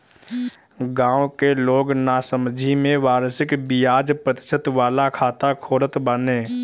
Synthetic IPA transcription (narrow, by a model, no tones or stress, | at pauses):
ɡãːwõkeloːɡnaːsəmd͡ʒʱimẽʋaːɾsɪkbɪjaːd͡ʒpɾət̪ɪ̥ʃət̪ʋaːlakʰaːt̪akʰoːɾət̪bəneː